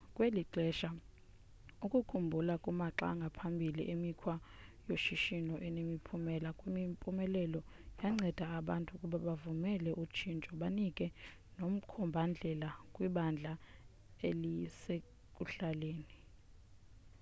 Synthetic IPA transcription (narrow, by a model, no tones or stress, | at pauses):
kʼweliǃɛʃa | ukʼukʰumbʱulakʼumaǁa̰ŋɡʱapʰambʱilḭʔemikʰwa | joʃiʃinɔʔɛnemipʰumɛlakʼwimimpʼumɛlɛlɔ | jaŋ͡ǀɛd̥ʱaːɓantʼukʼuɓaɓavumɛlɛʔut͡ʃʰint͡ʃʼɔɓanikʼɛ | nom̩kʰɔmbʱand͡ɮʱɛlakʼwiɓand͡ɮʱa | elise | kʼuɬaleːni